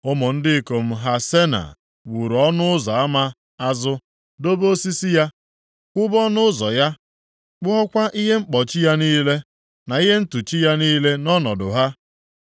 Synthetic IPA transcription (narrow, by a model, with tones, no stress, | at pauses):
ʊ˦mʊ˨n̩˦dɪ˦˨ko˨m̩˦ɦa˦se˦na̰˨ | wu˨ɾɔ˦nʊ˦ʊ˦zɔ˨a˦ma˦ | a˦zʊ˦ | do˦bo˦si˦si˦ja˦ | kʷʊ˦bɔ˦nʊ˦ʊ˦zɔ̰˨ja˦ | k͡pʊ˦ɦɔ˦kʷa˦ʔi˦ɦe˦ŋ͡m̩˦k͡pɔ˨t͡ʃi˦ja˦niː˦le˦ | na˨i˦ɦe˦n̩˦tu˨t͡ʃi˦ja˦niː˦le˦nɔ˦nɔ˨dʊ̰˨ɦa˦